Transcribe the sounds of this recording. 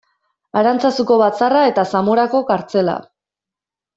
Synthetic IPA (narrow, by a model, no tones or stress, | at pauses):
aɾant͡sasuko̞βat͡sarae̞t̪asamoɾako̞kaɾt͡se̞la̰